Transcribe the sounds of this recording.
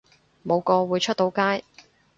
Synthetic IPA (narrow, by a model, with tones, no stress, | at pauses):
mo˨˧wkɔː˧wuː˨˧jt͡ʃʰɵ˥t̚t̪o˨˥wkaː˥j